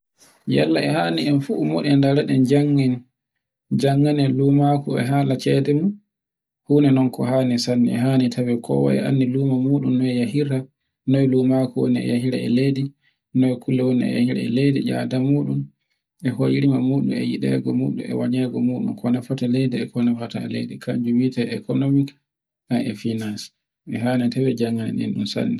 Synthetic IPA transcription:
ja̰lːaɛhaːniɛnfumɔ̰ɗɛndaɾaɗɛnd͡ʒaŋːɛn | d͡ʒaŋːanɛlumakuɛ̰ɦaːlat͡ʃɛɗɛmu | huːnɛnɔnkɔɦaːnisanːiɛɦanitʰawɛkʰɔ̰wa̰ɛ̰ʔa̰nːiluːmamuːɗumːɔɛjahiɾa | nɔɛluːmakuwo̰niɛ̰jahiɾa̰ɛ̰ledi | nɔɛkulːɛwoniɛ̰ja̰hiɾa̰ɛlediʄa̰damuːɗum | ʔɛhojiɾimamuːɗṵmɛ̰jiɗɛ̰ɡɔmṵːɗṵmɛ̰waɲɛɡɔmuːɗunkʰɔnafatalɛdɛɛkɔnafata̰lḛjdɛkʰaɲd͡ʒuwitaɛkɔnomik | naɛfinans | ʔɛɦanɛtawɛd͡ʒaŋːanɛ̰nɛ̰nɗunsa̰nːi

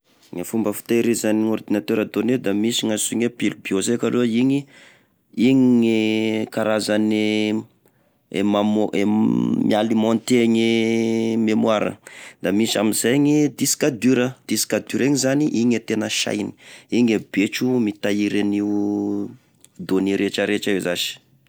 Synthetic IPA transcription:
ŋafumbəfu̥i̥t̪aiɾizaniŋord̪inat̪øɾad̪oned̪amisiŋasuɲepilubiozekaloiɲi | iɲiɲikaɾazani | ḛmamemialimont̪eɲi | memwaɾə̰d̪̥amisa̰mizeɲid̪isi̥kad̪yɾəd̪̥isi̥kad̪yɾeɲizaniʔiɲet̪enəʃa̰jni̥iɲebet͡ʃumit̪aiɾani | d̪oniɾet͡ʃəɾet͡ʃaezazi̥

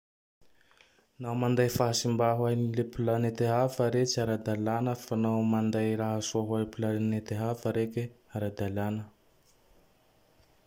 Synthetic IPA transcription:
nawmand̪ajfaɦasimbaɦwajnilepulanet̪eɦavaɾet͡siaɾad̪alanəfanawmand̪ajɾaɦasoɦaepulanet̪eɦavəɾeke | aɾad̪alanə

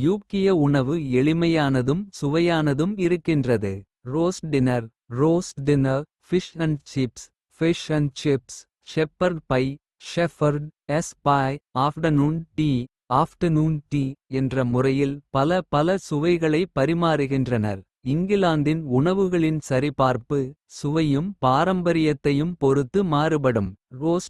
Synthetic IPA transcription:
juːkːɪjɐʊɳɐʋɯɛɭɪmɐjaːnɐðɯmsʊʋɐjaːnɐðɯmɪɾɯkːɪndrɐðɯ | roːsʈɖɪnɐɾ | roːsʈɖɪnɐɾ | fɪʂɐnt͡ʃɪps | fɪʂɐnt͡ʃɪps | ʃɛpːɐɾɖpɐɪ | ʃɛfɐɾɖɛspaːjaːfʈɐnuːnʈiː | aːfʈɐnuːnʈiːɛndrɐmʊrɐjɪlpɐlɐpɐlɐsʊʋɐɪɣɐɭɐɪpːɐɾɪmaːɾɯɣɪndrɐnɐ̰ɾ | ɪŋɡɪlaːnd̪ɪnʊɳɐʋɯɣɐɭɪnsɐɾɪpaːɾpɯ | sʊʋɐjɯmpaːɾɐmbɐɾɪjɐt̪ːɐjɯmpɔɾɯt̪ːɯmaːrɯp̬ɐɽɯmroːs

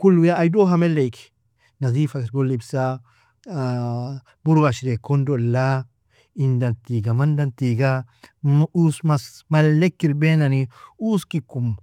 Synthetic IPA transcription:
kulujaːjdoɦamelejki̥ | nazifasɾɡolibsa | buɾwaʃiɾekondola | indantiɡamandantiɡa | usmasmallːekːiɾbenaniuskikum

